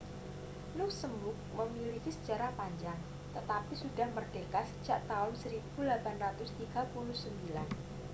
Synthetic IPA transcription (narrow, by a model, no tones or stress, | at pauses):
lʊk̚səmbʊk̚məmilikisə̥d͡ʒaɾahpaɲd͡ʒaŋ | t̪ət̪apisudahmərɖ̥ekat̪sə̥d͡ʒaʔt̪aʊnsəɾib̥ulapanrat̪ʊst̪iɡ̥apulʊhsəmbilan